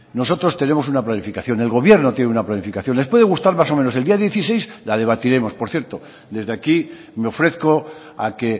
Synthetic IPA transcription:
no̞so̞t̪ɾo̞st̪e̞nẽ̞mo̞s̬unaplanifikaθjo̞ne̞lɣo̞βje̞ɾno̞t̪je̞neunaplanifikaθjo̞nlespwe̞ðe̞ɣust̪aɾmas̬o̞mẽnoseld̪iaðje̞θise̞jslað̞e̞β̞at̪iɾe̞mo̞spo̞ɾθje̞ɾt̪o̞ | d̪e̞zðeaki | meo̞fɾe̞θko̞ | a̰ke̞

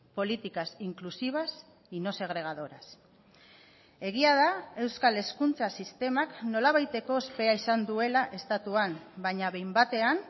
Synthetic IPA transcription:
po̞lit̪ikasiŋklusiβ̞as | ino̞se̞ɣ̞ɾe̞ɣ̞að̞o̞ɾas | e̞ɣ̞iaðae̞wskale̞skunt͡sasist̪e̞makno̞laβ̞ajt̪e̞ko̞espe̞aisand̪ue̞laʔe̞st̪at̪uan | baɲaβe̞jmbat̪e̞an

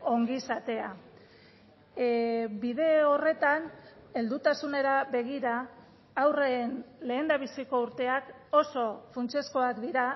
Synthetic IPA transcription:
o̞ŋɡisat̪e̞a | biðe̞o̞re̞t̪ane̞ld̪ut̪asune̞ɾabe̞ɣ̞iɾaː | wreːnle̞ːnd̪aβisiko̞uɾt̪e̞ak | o̞so̞funt͡se̞sko̞akd̪iɾa

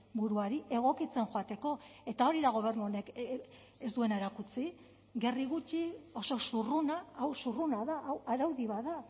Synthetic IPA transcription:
buɾuaɾiʔe̞ɣ̞o̞kit͡se̞nʝoat̪e̞ko̞e̞t̪ao̞ɾiðaɣ̞o̞β̞e̞rnuone̞k | esd̪ue̞naeɾakut͡si | ɡe̞riɣ̞ut͡ʃio̞so̞surunaːwsurunaðaʔawaɾawðiβaða

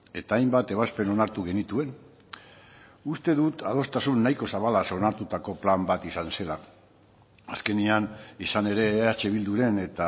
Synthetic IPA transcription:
e̞t̪aːjmbat̪e̞β̞aspe̞no̞naɾt̪uɣe̞nit̪ue̞n | ust̪e̞ðut̪að̞o̞st̪asunːajko̞saβ̞alaso̞naɾt̪ut̪ako̞plambat̪isanse̞la | aske̞nianisane̞ɾe̞at͡ʃe̞β̞ild̪uɾe̞ne̞t̪a

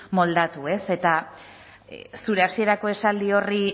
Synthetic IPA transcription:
mo̞ld̪at̪ue̞se̞t̪a | suɾe̞asie̞ɾako̞e̞sald̪io̞ri

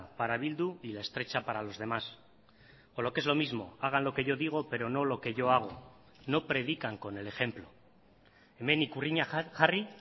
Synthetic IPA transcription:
paɾaβ̞ild̪uilae̞st̪ɾe̞t͡ʃapaɾalo̞zð̞e̞mas | olo̞kee̞zlo̞mizmo̞̰aɣ̞anlo̞ke̞ʝo̞ðiɣ̞o̞pe̞ɾo̞no̞lo̞ke̞ʝo̞aɣ̞o̞ | no̞pɾe̞ð̞ikaŋko̞ne̞le̞xe̞mplo̞ | eme̞nikuriɲaxari

